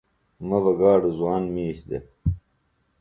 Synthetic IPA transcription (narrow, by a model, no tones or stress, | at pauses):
mɐbɐɡaːɖezuwaːnmiːɕd̪ḛ